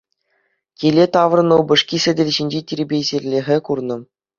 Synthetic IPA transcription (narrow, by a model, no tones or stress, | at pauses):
kʲilʲet̪ɑʋrɤ̆nɤ̆wbɤ̆ʂkʲisʲɘ̆dʲɘ̆lʲʑinʲd͡ʑetʲiɾʲɘbʲezʲerʲlʲexʲɘ̆kurnɤ̆